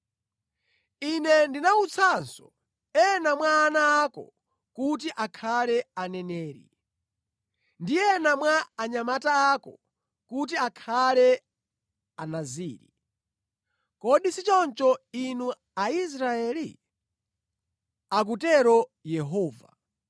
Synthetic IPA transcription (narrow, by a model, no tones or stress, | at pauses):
inɛndinaut͡sʰansɔ | ɛnamwaːnaːkɔ̰ | kut̬iʔakʰalɛanɛnɛːɾḭ | ndijɛnamwaːɲamataːkɔ̰ | kut̬iakʰalɛ | anaziːɾḭ | kɔɗisit͡ʃɔnt͡ʃɔinu | ais̬ɾaɛːli | ak̬utɛɾɔjɛɦɔːva̰